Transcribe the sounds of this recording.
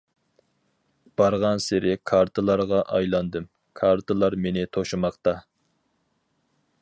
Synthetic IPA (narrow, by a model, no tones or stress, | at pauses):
b̥ɑɾʁɑnsɪɾɪkʰɑɾt̪ʰɨlˠɑɾʁɑʔɑjlˠɑnd̪ɨm | kʰɑɾt̪ʰɨlˠɑɾmenɪt̪ʰoʃɨmɑqt̪ɑ